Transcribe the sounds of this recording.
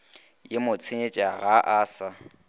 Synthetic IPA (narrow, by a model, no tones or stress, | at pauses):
jemʊt͡sʰeɲet͡ʃʼaɣaʔaːsa